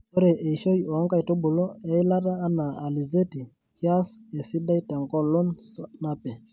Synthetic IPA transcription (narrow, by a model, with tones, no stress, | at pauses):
o˦ɾɛ˨ʔe˨ʃo˦jiɔ˨ɔ˦ŋka˦i˨to˦bu˨lo˦ɛ˦i˦la˦ɾaː˦naː˨li˨ze˦ti˨ | t͡ʃja˦se˨si˦da˦i˦ta˨ŋkɔ˦lo˦nsna˦pɛ˨